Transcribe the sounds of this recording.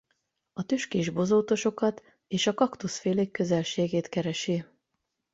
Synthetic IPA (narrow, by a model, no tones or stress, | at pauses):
ɒt̪øʃkeːʒbo̞zoːt̪o̞ʃo̞kɒt̪ | eːʃɒkɒkt̪usfeːleːkːø̞zɛlʃeːɡeːt̪kɛɾɛʃi